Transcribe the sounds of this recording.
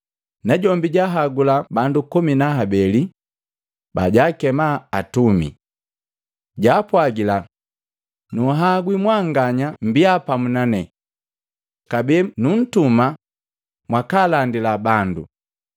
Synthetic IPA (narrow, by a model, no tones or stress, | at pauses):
naɟɔmbiɟaɦaɡulabandukuminaɦabɛli | baɟaːkɛmaːtumḭ | ɟaːpwaɡila | nuɦaɡwimwaŋɡaɲambiapamunanɛ | kabɛːnun̩tuma | mwakalandilabandṵ